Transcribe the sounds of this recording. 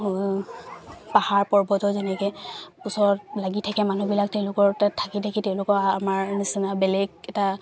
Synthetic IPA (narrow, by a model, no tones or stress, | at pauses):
pahaɹpɔɹbɔtɔzɛnɛkɛpusɔɹɔt̚laɡitʰakɛmanubilak̚tɛʊ̃lʊkɔɹtatʰakitʰakitɛʊ̃lʊkɔamaɹnisinabɛlɛɡɛta